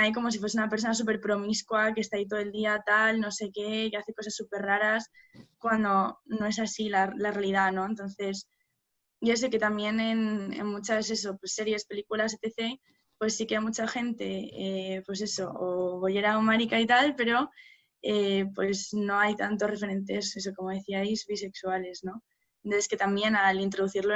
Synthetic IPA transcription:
ajko̞mo̞s̬ifwe̞seunape̞ɾs̬o̞nasupe̞ɾpɾo̞miskwakest̪ait̪o̞ðe̞ld̪iat̪alno̞se̞ke̞kaθe̞kos̬asːupe̞rraɾas | kwand̪o̞no̞e̞s̬asilalarealið̞ano̞ent̪o̞nθe̞s | ɟ͡ʝos̬eke̞t̪amje̞ne̞nḛnmut͡ʃase̞so̞pwesːe̞ɾje̞spe̞likulaset̪e̞θe̞ | pwe̞sːikeajmut͡ʃaxe̞nt̪e̞epwe̞s̬e̞so̞oβoʎe̞ɾaomaɾikait̪alpe̞ɾo̞ | epwe̞sno̞ajt̪ant̪ore̞fe̞ɾe̞nt̪e̞seso̞ko̞mo̞ðe̞θiajzβise̞ksuale̞zno̞ | d̪eske̞t̪ambje̞nalint̪ɾo̞ð̞uθiɾlo

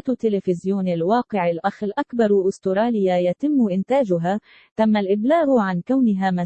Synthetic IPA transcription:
t̪ːɪlɪfɪzjuːnɪlwɑːqɪʕɪlʔaxɪlʔakbɑɾˤʔʊst̪ʊɾˤɑːlɪjːajat̪ɪmːʊʔɪnt̪aːd͡ʒʊɦaː | t̪amːalʔɪblaːɣʕankawnɪɦaːma

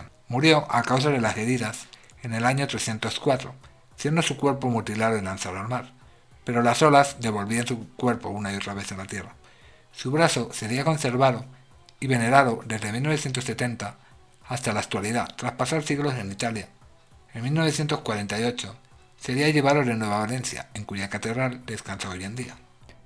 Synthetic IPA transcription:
muɾjo̞ʔakaws̬aðe̞lase̞ðiðas | e̞ne̞laɲo̞t̪ɾe̞sθje̞nt̪o̞skwat̪ɾo̞ | sje̞nd̪o̞sukwe̞ɾpo̞mut̪ilaðoilanθaɾalmaɾ | pe̞ɾo̞laso̞lazd̪e̞β̞o̞lβiansukwe̞ɾpo̞unaio̞t̪ɾaβe̞θenlat̪je̞ra | suβɾaθo̞se̞ɾiako̞nse̞ɾβaðo̞ | iβe̞ne̞ɾaðo̞ðe̞zðe̞milnoe̞θje̞nt̪osːe̞t̪e̞nt̪aː | st̪alaːk̚t̪waliðat̪ɾaspasaɾsiɣlo̞s̬e̞nit̪alja | enmilno̞β̞e̞θje̞nt̪o̞skwaɾe̞nt̪ajo̞t͡ʃo̞ | se̞ɾiaʎe̞β̞aðo̞ðe̞nwe̞β̞aβale̞nθja̰e̞ŋkuʝakat̪e̞ðɾald̪e̞skanθooje̞nd̪ia

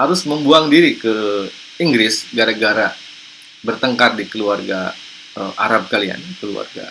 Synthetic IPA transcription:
haɾʊsməmbuaŋdiɾikə | iŋɡɾɪsɡaɾaɡaɾa | bərt̪əŋkardikəluarɡa̰ | əʔa̰ɾab̚kalia̰nkəlua̰rɡa̰

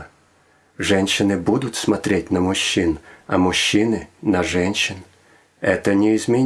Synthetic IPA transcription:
ʐɛnʲɕːɪnɨbud̪ʊt̪smɐt̪ɾʲet̚ʲnəmʊɕːinɐmʊɕːinɨnɐʐɛnʲɕːɪn | ɛt̪ənʲɪɪzmʲɪ

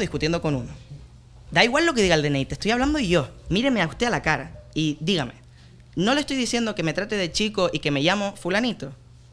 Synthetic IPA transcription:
ðihkut̪je̞nd̪o̞ko̞nuno | d̪aiɣwalːo̞ke̞ðiɣaeld̪e̞nejt̪est̪ojaβland̪oiʝo̞miɾemeaust̪e̞alakaɾaid̪iɣame̞̰ | no̞le̞st̪o̞jðisje̞nd̪o̞ke̞me̞t̪ɾat̪e̞ðe̞t͡ʃiko̞ʔike̞me̞ʝamo̞fulanit̪o̞

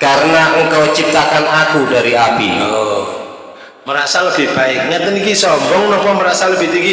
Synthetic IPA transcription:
kaɾənaŋkɔwt͡ʃip̚t̪akanakudaɾiapi | məɾaʔsaləb̥i̤hb̥aɪk̚ŋɛt̪ənikisɔmbɔŋnɔpɔməɾaʔsaləb̥i̤t̪iki

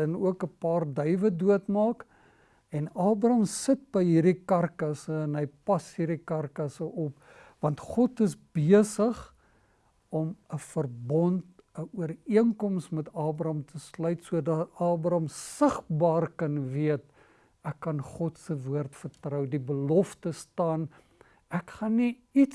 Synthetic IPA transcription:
ənuəkəpɑːrdœɥvəduətmɑːk | ɛnɑːbrɐmsət̚bəjɦirdikɐrkɐsəɛnɦəjpɐsɦirdikɐrkɐsəʔɔp | vɐntχɔtəs̬biəsəχ | ɔməfərbɔnt̚ | əuəriəŋkɔmsmɛtɑːbɾɐmtʰəslœɥtsuədɐtɑːbrɐmsəχbɑːrkɐnviət̚ | ækːɐnχɔtsəvuərtfərtrəwdibəlɔftəstɑːn | ækχɐnːiit

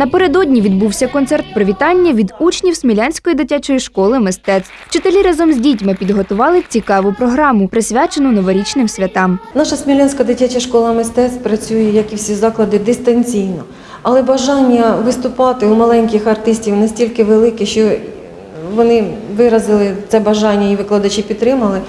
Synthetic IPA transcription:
nɐpe̞ɾed̪ɔdʲnʲiʋʲid̪buwsʲɐkɔnt̪sɛrt̪̚pɾɔʋʲit̪ɑnʲːɐʋʲid̪ut͡ʃnʲiwsʲmʲilʲanʲsʲkɔjid̪ɪtʲat͡ʃɔjiʃkɔlˠɪmɪst̪ɛt̪swt͡ʃɪt̪elʲiɾɑzɔmzʲdʲitʲmɪpʲid̪ɦɔt̪ʊʋɑlˠɪwt͡sʲikɑʋʊpɾɔɦɾɑmʊpɾɪsʲʋʲat͡ʃenʊnɔʋɔɾʲit͡ʃnɪmsʲʋʲɐt̪ɑmnɑʃɐsʲmʲilʲanʲsʲkɐd̪ɪtʲat͡ʃɐʃkɔlˠɐmɪst̪ɛt̪spɾɐt͡sʲujɛjɐkiwsʲizɑklˠɐd̪ɪd̪ɪst̪ɐnʲt͡sʲijnɔ | ɐlˠɛbɐʒɑnʲːɐʋɪst̪ʊpɑt̪ɪumɐlˠɛnʲkʲɪxɐrt̪ɪsʲtʲiwnɐsʲtʲilʲkɪʋelˠɪkɛʃt͡ʃɔ | ʋɔnɪʋɪɾɐzɪlˠɪt̪sɛbɐʒɑnʲːɐiʋɪklˠɐd̪ɐt͡ʃipʲid̪t̪ːɾɪmɐlˠɪ

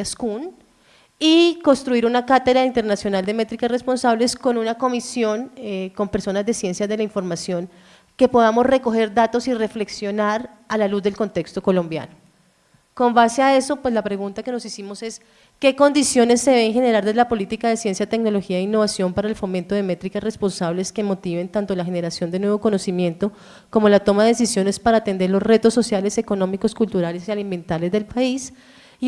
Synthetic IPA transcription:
askun | iko̞nst̪ɾuiɾunakat̪eðɾaint̪eɾnasjo̞nald̪e̞me̞t̪ɾikasre̞spo̞nsaβle̞sko̞nunako̞misjo̞ŋeko̞mpe̞ɾso̞nazd̪e̞sje̞nsjaðe̞laiɱfo̞ɾmasjo̞ŋ | ke̞po̞ðamo̞sre̞ko̞xe̞ɾd̪at̪o̞sire̞fle̞ksjo̞naɾ | alaluzd̪e̞lko̞nt̪e̞kst̪o̞ko̞lo̞mbja̰no | ko̞mbaseae̞so̞pwe̞slapɾe̞ɣunt̪ake̞no̞sisimo̞se̞s | ke̞ko̞nd̪isjo̞ne̞sːeeeŋxe̞ne̞ɾaɾd̪ezlapo̞lit̪ikaðe̞sjensjait̪ekno̞lo̞xiaeinːo̞βasjo̞mpaɾaelfo̞ment̪o̞ðe̞me̞t̪ɾikasre̞spo̞nsaβle̞ske̞mo̞t̪iβe̞nt̪ant̪o̞laxe̞ne̞ɾasjo̞nd̪enwe̞βo̞ko̞no̞simje̞nt̪o̞ | ko̞molat̪o̞maðees̬isjone̞spaɾaːt̪e̞nd̪e̞ɾlo̞sre̞t̪o̞sːo̞sjale̞se̞ko̞no̞miko̞skult̪uɾale̞sialime̞nt̪ale̞zd̪e̞lpais

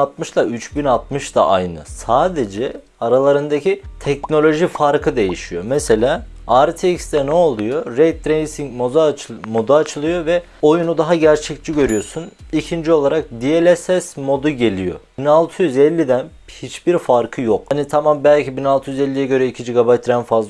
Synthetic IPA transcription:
at̪mɯʃt̪ˠayt͡ʃbinalˠt̪̚mɯʃt̪a̰ʔa̰jnɯ̰saːd̪ed͡ʒɛ | aɾalˠaɾɯnd̪acʰit̪ʰɛcno̞lʲo̞ʒifaɾkʰɯd̪e̞jiʃijo̞mese̞lʲaː | aɾt̪ʰecsd̪ɛnɛo̞lˠujo̞ɾejt̪̚ːɾejsiŋcmomo̞d̪aːt͡ʃʰɯlˠɯjo̞vɛ | ojunud̪aɦaɟæɾt͡ʃʰɛct͡ʃiɟø̞ɾyjo̞sunicʰind͡ʒio̞lˠaɾak̚d̪ielʲɛsɛsmo̞d̪uɟe̞lʲijo̞̰binalˠt̪ʰɯjyzɛlʲːid̪æn | hit͡ʃbiɾfaɾkʰɯjo̞khanit̪ʰamambælʲcibinalˠt̪ʰɯjyzɛlʲːijɛɟø̞ɾɛicʰid͡ʒiɡabajt̪ɾænfazl

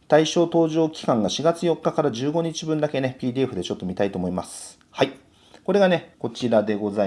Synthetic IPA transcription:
t̪aiɕo̞ːt̪o̞ːʑo̞ːkʲi̥kãŋɡaɕiɡat͡sɨjo̞kːakaɾaʑɨːɡo̞ɲit͡ɕibɯ̟̃nd̪ake̞ne̞pʲiːd̪ʲieɸɯ̟d̪e̞t͡ɕo̞t̪ːo̞mʲit̪ait̪oːmo̞imasɨ̥ | hai | ko̞ɾe̞ɡane̞ko̞t͡ɕiɾad̪e̞ɡo̞za

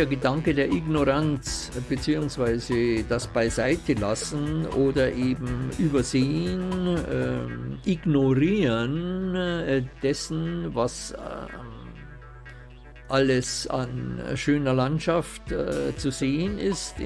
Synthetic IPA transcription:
ɐɡədaŋkədeːɐʔɪɡnoʁant͡sb̥ət͡siːʊŋsv̥aɪzəd̥asb̥aɪzaɪtʰəlasn̩oːdɐʔeːbm̩ʔyːbɐzeːəən | ʔɪɡnoʁiːʁən | d̥ɛsn̩vas | ʔaləsa̰nʃøːnɐlantʃaftt͡suzeːənɪst

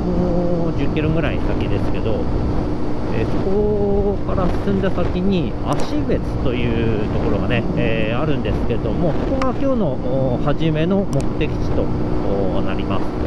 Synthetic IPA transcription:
o | d͡ʑɨkʲːiɾo̞ɡɯ̟ɾaḭsakʲid̪e̞sɨ̥ke̞d̪o̞ | ḛːso̞ko̞kaɾasɨ̥sɨ̃nd̪asakʲiɲ̟i | aɕibe̞t͡sɨ̥t̪o̞jɯ̟ːt̪o̞ko̞ɾo̞ɡane̞eːaɾɯ̟̃nd̪e̞sɨ̥ke̞d̪o̞mo̞so̞ko̞ɡakʲo̞ːno̞ | ohaʑime̞no̞mo̞kɯ̟̥t̪e̞kʲi̥t͡ɕi̥t̪o̞ː | naɾʲimasɨ̥

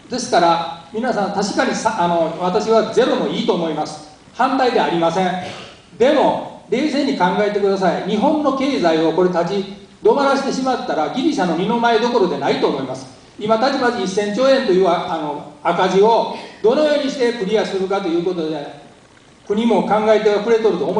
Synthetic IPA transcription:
d̪e̞sɨ̥kaɾamʲinasãnt̪aɕi̥kaɲ̟isaano̞βat̪aɕiβaze̞ɾo̞mo̞iːt̪o̞ːmo̞imasɨ̥ | hãnt̪aid̪e̞aɾʲimasẽ̞ɴ | d̪e̞mo̞ɾe̞ːs̬e̞ːɲ̟ikãŋɡae̞t̪e̞kɯ̟d̪as̬aiɲ̟iɦõ̞nːo̞ke̞ːzaio̞ko̞ɾe̞t̪ad͡ʑi | d̪o̞maɾaɕi̥t̪e̞ɕimat̪ːaɾaɡʲiɾʲiɕano̞mʲino̞maed̪o̞ko̞ɾo̞d̪e̞nait̪o̞ːmo̞imasɨ̥ | imat̪at͡ɕimad͡ʑiisːẽ̞ɲ̟t͡ɕo̞ːẽ̞nt̪ojɯ̟ːaano̞akaʑio̞d̪o̞no̞jo̞ːɲ̟iɕi̥t̪e̞kɯ̟ɾʲijasɨɾɯ̟kat̪o̞jɯ̟ːko̞t̪o̞d̪e̞ | kɯ̟ɲ̟imo̞kãŋɡaet̪e̞βaɸɯ̟ɾe̞t̪o̞ɾɯ̟t̪o̞ːmo

